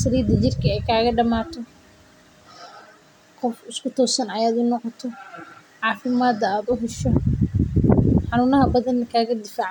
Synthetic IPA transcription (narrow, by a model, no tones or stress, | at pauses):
sɐliːd̪ɐt͡ʃɪrkʰɐɛjkʰaːɣɐɖɐmaːt̪ʰɔ | qɔfɪskʰʊt̪ʰɔːsɐnɐjaːd̪ʊnɔqɔt̪ʰɔ | ʕɑːfɪmaːd̪ɐaːd̪ʊɦɛʃɔ | ħɑnuːnɐɦɐbɐðɐnɐkʰaːɣɐd̪ɪfaːʕ